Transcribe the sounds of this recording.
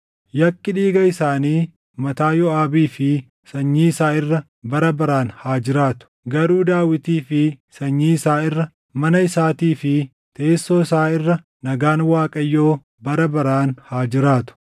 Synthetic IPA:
jɐkːɪᶑiːɡɐɪsaːniː | mɐt̪aːjɔaːbiːfɪ | sɐɲːiːɪsaːɪrːɐ | bɐɾɐbɐɾaːnhaːd͡ʒɪɾaːt̪ʊ̥ɡɐɾuːd̪aːwɪt̪iːfɪsɐɲːiːɪsaːɪrːɐ | mɐnɐɪsaːt̪iːfɪ | t̪ʰeːsːoːɪsaːɪrːɐ | nɐɡaːnwaːkʼɐjːo̞ː | bɐɾɐbɐɾaːnhaːd͡ʒɪɾaːt̪ʊ̥

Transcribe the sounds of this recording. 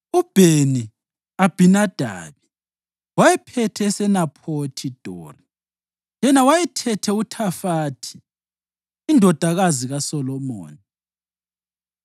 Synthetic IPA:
ub̥ʱeni | ab̥ʱinad̥ʱa̰ːβi | wajɛpʰɛtʰɛːsɛnapʰotʰid̥ʱo̰ːri | jɛnawajɛtʰɛtʰɛutʰafaːtʰi̥ː | ndʱɔd̥ʱaɣaziɣasɔlɔmo̰ːni

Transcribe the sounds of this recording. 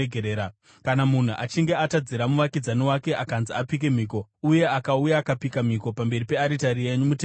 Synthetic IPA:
ɡʱeɾeːɾa | kanamun̤uʔa̰t͡ʃiŋɡe̞atad͡ziɾamuʋakid͡zaniwake̞ʔakanziapik̬e̞m̤iːko̞uje̞akaujaːkapikam̤iko̞pambe̞ɾipe̞aɾitaɾie̞ɲumute

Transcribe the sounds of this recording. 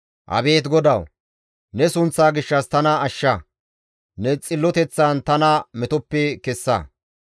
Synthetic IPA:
ʔɐ̰be̞ːt̪ɡɔd̪ɐw | nɛsʊnt͡sːaːɡɪʃːɐst̪ɐnɐɐʃːɐ | nɛt͡sʼɪlːɔt̪ɛt͡sːant̪ɐnɐmɛt̪ɔpːɛkɛsːɐ̰

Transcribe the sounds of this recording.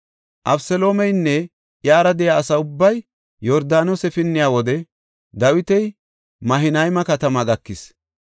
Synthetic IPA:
ʔɐbsɛlo̞ːmɛjnːɛ | ʔjaːɾɐd̪ɛjaːsɐʊbːɐj | jɔɾd̪aːnosɛfɪnːɪjaːwɔd̪ɛ | d̪ɐwɪt̪ɛj | mɐɦɪnɐjmɐkɐt̪ɐmɐɡɐkːɪs

